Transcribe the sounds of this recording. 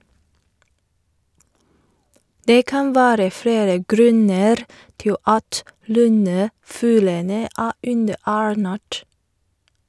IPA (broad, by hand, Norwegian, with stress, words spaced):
ˈdeː ˈkɑn ˈʋæːɾə ˈfɽeːɾə ˈɡɾʉnəɾ ˈtɪl ˈɑt ˈlʉnəˌfʉːlənə ˈæː ˈʉndəˌæːɹˌnæːʈ